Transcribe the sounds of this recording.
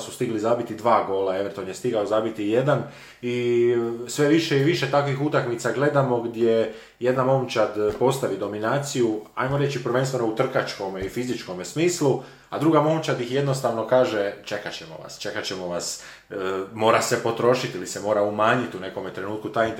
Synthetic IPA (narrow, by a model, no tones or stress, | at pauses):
sust̪iɡlizabit̪id̪ʋaːɡo̞ːlaeʋent̪onjest̪iɡaozaːbit̪ije̞d̪an | i | sʋe̞ʋiʃeiʋiʃet̪akʋixut̪akmit̪saɡle̞d̪amo̞ɡd̪je | je̞d̪namo̞ːmt͡ʃad̪po̞st̪aʋid̪o̞minaːt̪sijua̰jmoɾe̞t͡ʃipɾrʋe̞nst̪ʋe̞nout̪r̩kat͡ʃko̞meifizit͡ʃko̞mesmiːslu | ad̪ɾuɡamo̞mt͡ʃad̪jixje̞d̪no̞st̪aʋno̞kaːʒet͡ʃe̞kat͡ɕemo̰ʋa̰st͡ʃe̞kat͡ɕemo̞ʋas | mo̞ːɾase̞po̞t̪ɾo̞ʃit̪ilisemo̞ːɾaumaːɲit̪une̞ko̞met̪ɾe̞nuːt̪̚kut̪ajin